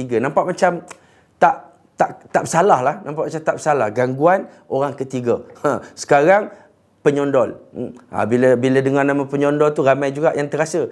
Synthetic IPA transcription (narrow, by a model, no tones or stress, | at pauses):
iɡanãmpaʔmat͡ʃam | t̪aʔ | t̪aʔt̪aʔbəsalahlahnãmpaʔmat͡ʃamt̪aʔbəsalahɡaŋɡuan | oɾaŋkət̪iɡaasə̥kaɾaŋ | pəɲɔndɔl̩a̰biləbilədəŋarnãmãpəɲɔndɔlt̪uɾamajd͡ʒuɡaʔjaŋt̪əɾasə